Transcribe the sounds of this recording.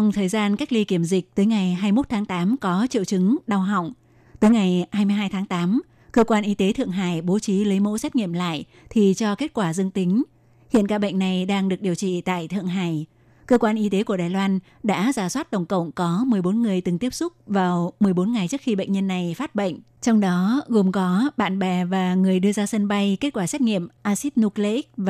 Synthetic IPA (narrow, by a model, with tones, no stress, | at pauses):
t͡ɕɔ˨˧wŋ͡mt̪ʰəː˨˩jzaː˧nka˦˥k̚li˧ki˧˩əmzï˨˩k̟̚t̪əː˨˦jŋa˨˩jɦaː˧jmo˦˥t̚t̪ʰaː˨˦ŋt̪aː˨˦mkɔ˨˦t͡ɕḭ˧˨wt͡ɕɨ˨˦ŋɗa˧wɦa̰˧˨wŋ͡m | t̪əː˨˦jŋa˨˩jhaː˧jmɨ˧jɦaː˧jt̪ʰaː˨˦ŋt̪aː˨˦m | kəː˧kwaː˧nʔi˧t̪e˨˦t̪ʰɨ̰˧˨əŋɦaː˧˩jɓo˨˦t͡ɕi˨˦lə˨˦jmo̰˧˥sɛ˦˥t̚ŋḭ˧˨əmla̰ː˧˨j | t̪ʰi˨˩t͡ɕɔ˧ke˦˥t̚kwaː˧˩zɨ˧əŋt̪ï˨˦ŋ̟ | hḭ˧˨ənkaː˧˩ɓə̰˧˨ŋ̟na˨˩jɗaː˧ŋɗɨ˨˩ək̚ɗi˨˩əwt͡ɕḭ˧˨t̪a̰ː˧˨jt̪ʰɨ̰˧˨əŋɦaː˧˩j | kəː˧kwaː˧nʔi˧t̪e˨˦ku˧˩əɗaː˨˩jlwaː˧n | ɗa̰ː˧˥zaː˨˩swaː˦˥t̚ɗə˨˩wŋ͡mkə̰˧˨wŋ͡mkɔ˨˦mɨ˨˩əjɓo˨˦nŋɨ˨˩əjt̪ɨ˨˩ŋt̪i˦˥əp̚sʊ˦˥k͡p̚vaː˨˩wmɨ˨˩əjɓo˨˦nŋa˨˩jt͡ɕɨ˦˥ək̚xi˧ɓə̰˧˨jŋ̟ɲə˧nːa˨˩jfaː˦˥t̚ɓə̰˧˨ŋ̟ | t͡ɕɔ˧wŋ͡mɗɔ˨˦ɣo˨˩mkɔ˨˦ɓa̰ː˧˨nɓɛ˨˩vaː˨˩ŋɨ˨˩əjɗɨ˧əzaː˧sə˧nɓa˧jke˦˥t̚kwaː˧˩sɛ˦˥t̚ŋḭ˧˨əmʔaː˧si˦˥t̚nu˧kle˧ʔi˦˥k̚v